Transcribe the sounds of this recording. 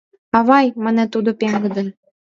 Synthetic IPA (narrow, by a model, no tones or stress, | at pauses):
ɑβɑjmə̆nĕt̪ud̪ŏpʲeŋɡɤ̆d̪ə̆nʲ